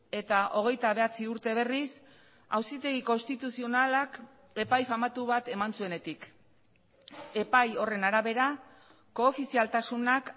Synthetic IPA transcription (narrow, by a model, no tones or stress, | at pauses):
e̞t̪aʔo̞ɣ̞e̞jt̪aβe̞at͡siuɾt̪e̞β̞e̞ris | a̰wsit̪e̞ɣ̞iko̞nst̪it̪usio̞nalak | e̞pajfamat̪uβat̪e̞mansue̞ne̞t̪ik | e̞pajo̞re̞naɾaβe̞ɾa | ko̞ːfisialt̪asunak